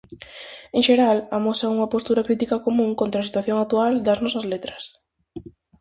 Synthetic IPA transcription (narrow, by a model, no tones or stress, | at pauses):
ẽŋʃeɾalamosɐuŋɐpost̪uɾɐkɾit̪̬ikɐkomũŋkont̪ɾɐsit̪waθjoŋakt̪uald̪ɐznɔsɐzlet̪ɾɐ̥s